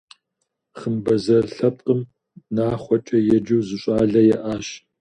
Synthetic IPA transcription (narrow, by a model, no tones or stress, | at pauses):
χəmbɐzɐrɬɐp̚ʼqʼəm | naːχʷɔt͡ʃʼɐjɛd͡ʒɨwzɨɕʼaːɮɐjɛʔaːɕ